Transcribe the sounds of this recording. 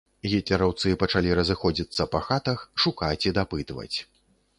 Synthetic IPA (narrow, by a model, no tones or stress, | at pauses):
ɣʲit̪ʲlʲɛɾawt̪sɨpɐt͡ʂalʲiɾɐzɨxɔd͡zʲit̪sːɐpɐxat̪ɐxʂukat͡sʲid̪apɨt̪vɐ̰t͡sʲ